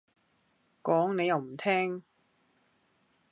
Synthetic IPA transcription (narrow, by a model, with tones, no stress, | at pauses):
kɔː˨˥ŋne˨˧jɐ˨wm̩˨˩t̪ʰɛː˥ŋ